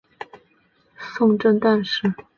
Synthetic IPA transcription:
sʊ˥˧ŋʈ͡ʂə˥˧ŋt̪a˥˧nʂɻ̩˥˩

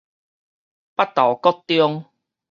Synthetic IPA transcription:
pa˦˥t̚t̪ɔ˨˩kɔ˥˦t̪ːjɔ˦ŋ

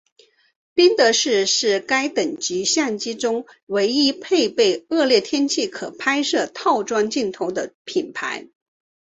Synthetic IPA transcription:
pi˥nt̪ɤ˧˥ʂɻ̩˥˧ʂɻ̩˥˩ka˥ɪt̪ə˨˩ŋt͡ɕy˧˥ɕja˥˩nt͡ɕi˥ʈ͡ʂʊ˥ŋwe˧˥ɪi˥pʰe˥˧ɪpe˥˧ɪɤ˥˧ljɛ˥˩t̪ʰjɛ˥nt͡ɕʰi˥˩kʰɤ˨˩pʰa˥ɪʂɤ˥˧t̪ʰɑ˥˩ʊʈ͡ʂwɑ˥ŋt͡ɕi˥˩nt̪ʰʊ˧˥ʊd̪ə˧pʰi˨˩npʰa̰˧˥ɪ

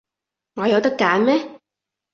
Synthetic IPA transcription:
ŋɔː˨˧jɐ˨˧wt̪ɐ˥kːaː˨˥nmɛː˥

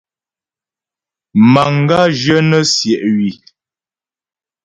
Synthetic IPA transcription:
ma˨ŋ˦ɡa˦ʒə˦nə˦sjɛ˨ʔɥi˨

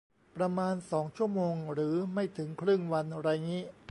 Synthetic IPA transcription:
pɾa˧maː˧nsɔː˩˦ŋt͡ɕʰu˥˩ɐəmoː˧ŋɾɯː˩˦ma˥˩jt̪ʰɯ˩˦ŋkʰɾɯ˥˩ŋwa˧nɾa˧jniː˦˥

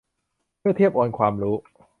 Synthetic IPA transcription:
mɯ˥˩ɐt̪ʰi˥˩əp̚ʔoː˧nkʰwaː˧mɾuː˦˥

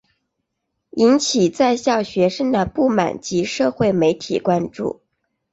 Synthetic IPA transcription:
i˧˥nt͡ɕʰi˨˩t͡sa˥˧ɪɕjɑ˥˩ʊɕɥɛ˧˥ʂə˥ŋd̪ə˨pu˥˩ma̰˨˩nt͡ɕi˧˥ʂɤ˥˧xwe˥˩ɪme˧˥ɪt̪ʰḭ˨˩kwa˥nʈ͡ʂṵ˥˩

